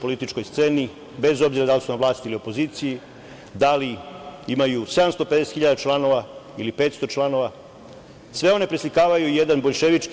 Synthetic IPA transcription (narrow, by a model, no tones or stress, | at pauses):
po̞lit̪it͡ʃko̞jst̪se̞ːni | be̞zo̞bziɾad̪alisunamʋlaːst̪iilio̞po̞ziːt̪siji | d̪aliimajuse̞d̪amst̪o̞pe̞d̪e̞set̪xiʎad̪at͡ʃlˠano̞ʋailipe̞ːt̪st̪o̞t͡ʃlˠano̞ʋa | sʋe̞o̞ne̞pɾislikaːʋajuijed̪anbo̞ʎʃe̞ʋit͡ʃk